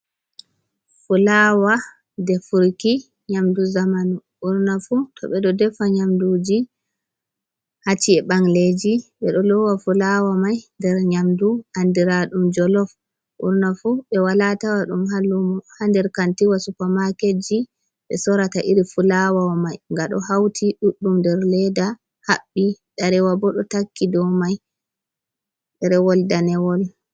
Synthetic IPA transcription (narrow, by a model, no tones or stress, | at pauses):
fulawa | dɛfuɾki | ɲamduzamanuʔuɾnafutʰɔ̰ɓɛɗɔdɛfaɲamdud͡ʒi | hat͡ʃːiɛɓaŋled͡ʒiɓɛɗɔlɔwafulawamajndɛɾɲamduʔandiɾaɗumd͡ʒɔlɔf | ʔṵɾnafuɓɛwalatawaɗumhalːumɔhandɛɾkantiwasupamaked͡ʒi | ɓɛsɔɾataʔiɾifulawawamajŋɡaɗɔ̰ɦawtʰiɗuɗːumdɛɾlɛda | haɓːiɗaɾɛwabɔɗɔtakːidɔmaj | ɗɛɾɛwɔldanɛwɔl